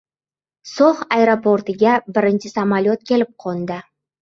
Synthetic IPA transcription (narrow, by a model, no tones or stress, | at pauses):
soχajɾopoɾt̪ɪɡʲabɪɾɪnt͡ʃʰɪsamalʲot̪̚kʲʰe̞lɪp̚qʰond̪ɪ